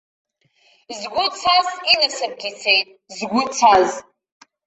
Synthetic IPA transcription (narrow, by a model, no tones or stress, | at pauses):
zɡʷʊt͡sʰazinɨsɨp̚ɡʲit͡sʰe̞jtʼ | zɡʷʊt͡sʰaz